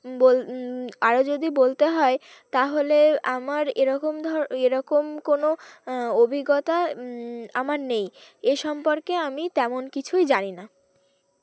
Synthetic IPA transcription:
bolaɾod͡ʑod̪ibolt̪eɦɔe | t̪aɦoleamaɾeɾɔkomd̪ʱɔɾeɾɔkomkonoobʱiɡot̪a | amaɾnejeʃɔmpoɾkeamit̪ɛmonkit͡ɕʰujd͡ʑanina

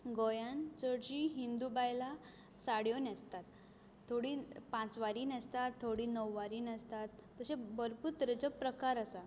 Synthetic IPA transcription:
ɡɔjãnt͡səɾd͡ʑiːɦind̪ubajla | saɽjonəst̪at̪ʰː | oɽiːpãt͡sʋaɾiːnəst̪at̪ʰːoɽiːnəwːaɾiːnəst̪at̪ːəsẽbəɾpuɾt̪ɾet͡səpɾəkaɾasa

